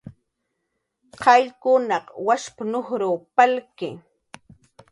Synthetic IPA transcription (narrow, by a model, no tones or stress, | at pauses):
qɑʎkʊnɑqwaʃpanoχɾuːpalkɪ̰